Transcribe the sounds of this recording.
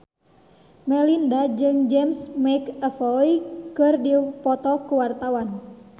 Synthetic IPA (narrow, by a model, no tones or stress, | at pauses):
mɛlindad͡ʒɨŋd͡ʒɛmsmajkɛfɔjikɨrdipɔt̪ɔkuwart̪awan